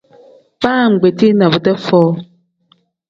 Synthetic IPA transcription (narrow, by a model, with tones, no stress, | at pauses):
baː˦˨ŋ̩˨ɡ͡be˨t̪i˦nã˨bə˨tɛ˦fɔ˦